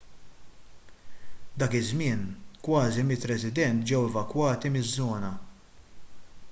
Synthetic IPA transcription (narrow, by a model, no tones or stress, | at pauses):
d̪ɐːkɪzmɪːnkwɐːzimɪt̪ːɾɛsɪd̪ɛnt̪̚d͡ʒɛwɛvɐkwɐːt̪imɪzːɔːnɐ